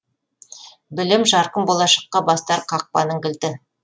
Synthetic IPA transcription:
bɪlɪmʒɑɾqəmbolˠɑʃɑ̥qːɑbɑst̪ɑɾqʰɑq̚pɑ̰nəŋɡʲɪ̆lt̪ɪ

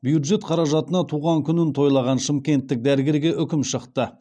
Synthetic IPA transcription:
bjud̪ʒe̞t̪qʰɑɾɑʒɑt̪ənɑt̪ʰuʁɑŋkʲʰʏnɪnt̪ʰo̞jlˠɑʁɑnʃəmkʲe̞nt̪ːɪk̚d̪æɾɡʲeɾɡʲe̞ʔʏkʲɪmʃəqt̪ə

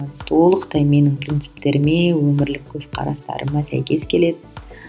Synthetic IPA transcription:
t̪ʰo̞lˠəqt̪ɑjme̞nɪŋpʰrʲint̪sɪ̥pt̪e̞ɾɪmewɵmɪɾlɪkʲʰːɵz̥qʰɑ̰ɾɑ̰st̪ɑ̰ɾʔə̰mɑsæ̰jkʲe̞skʲʰe̞le̞d̪ɪ

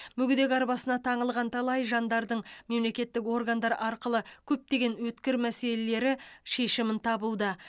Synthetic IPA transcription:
mʏɡʲɪd̪e̞ɡʲɑɾbɑsənɑt̪ʰɑɴəlˠʁɑnt̪ʰɑlˠɑjʒɑnd̪ɑɾd̪əɴme̞mle̞kʲe̞t̪ːɪko̞rɡand̪ɑɾʔɑɾqəlˠəkʲʰɵp̚t̪e̞ɡʲe̞nwɵt̪kʲɪɾmæse̞lele̞ɾɪʃe̞ʃɪmɪnt̪ʰɑbuwd̪ə

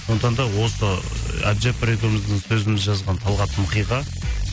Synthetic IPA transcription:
sond̪ət̪ɑnd̪ɑwo̞səa̰bd͡ʒepɾeɡ̪oɾmɪzd̪ɪɴsɵzɪmɪzʒɑzʁɑnt̪ʰɑlˠʁɑt̪ʰəməqijʁɑ

